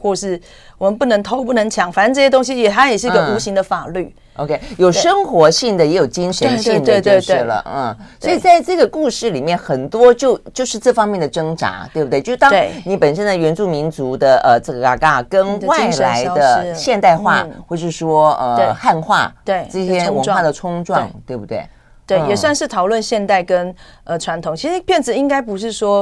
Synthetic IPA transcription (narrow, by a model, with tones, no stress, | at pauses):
xwɔ˥˩ʂɻ̩˥˩ | wɔ˨˩mə˧˦npu˥˩nə˧˥ŋt̪ʰo˥ʊp̬u˥˩nə˧˥ŋt͡ɕʰjɑ˧˥ŋfa˨˩nʂə˥˧nʈ͡ʂɤ˥˩ɕjɛ˥t̪̬ʊ˥ŋɕ̬i˧jɛ˨˩t̪ʰa˥jɛ˨˩ʂɻ̩˥˧˥ɡə˧u˧˥ɕi˧˥ŋd̪ə˨fa˨˩ly˥˩ | ʔo̰˧ʊkʰe˥ɪjo˨˩ʂə˥ŋxwɔ˧˥ɕi˥˩ŋd̪ə˩jɛ˧˥jo˨˩ʊt͡ɕi˥ŋʂə˧˥nɕi˥˧ŋə˥˧t͡ɕe˥˧ɛ˥˩˧lə̰˧˩˥swɔ˧˥i˨˩t͡sa˥˧ɪʈ͡ʂɤ˥˩ɡə˩ku˥˧ʂɻ̩˥˩li˨˩mjɛ˥˩nxə˨˩nt̪wɔ˥t͡ɕjo˥˧ʊt͡ɕjo˥˧ʊʂɻ̩˥˧ʈ͡ʂɤ˥˩fɑ˥ŋmjɛ˥˩nd̪ə˩ʈ͡ʂɤ˥ŋʈ͡ʂa̰˧˥t̪we˥˩bt̪jt̪ɑ˥ŋe˥˩ni˧˥pə˨˩nʂə˥nd̪ə˨ɥɛ˧˥nt͡su˥˩mi˧˥nt͡su˧˥d̪ə˧ʔə˩ʈ͡ʂɤ˥˩ɡə˩ka̰˨˩ka˥˩kə˥nwa˥˩ɪla˧˥ɪd̪ə˧ɕjɛ˥˧nt̪a˥˧ɪxwa̰˥˧xwɔ˥˩ʂɻ̩˥˩ʂwɔ˥ə˩e˥˩xa˥˧nxwa̰˥˩t̪we˥˩ʈ͡ʂɤ˥˩ɕjɛ˥wə˧ŋwa˥˩d̪ə˩t͡sʰʊ˥ŋʈ͡ʂwɑ˥˧ŋt̪we˥˩ɪbu˧˩t̪we˥˩ɪ | t̪we˥˩ɪjɛ˨˩swa˥˧nʂɻ̩˥˩t̪ʰɑ˨˩ʊlwə˥˧nɕjɛ˥˧nt̪a˥˩ɪkə˥n | ə˨ʈ͡ʂʰwa˧˥nt̪ʰoʊ˨˩ŋt͡ɕʰi˧˥ʂɻ̩˧˥pjɛ˥˩nt͡sɻ̩˨˩i˥ŋka˥ɪp̬u˧˥ʂɻ̩˥˩ʂwɔ˥